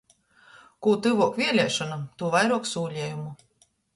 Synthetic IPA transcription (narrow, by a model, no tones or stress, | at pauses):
kuːt̪ɨvuɔkvʲiɛlʲɛːʃɔnat̪uːvajɾuɔksuːlʲiːjumu